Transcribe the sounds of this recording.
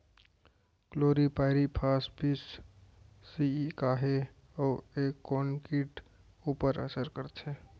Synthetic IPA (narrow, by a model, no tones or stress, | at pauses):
kloːɾipaɪɾipʰaːspisː | ikaːɦe | ɔːekːonkiʈ | upəɾə̰səɾkəɾt͡ʃʰe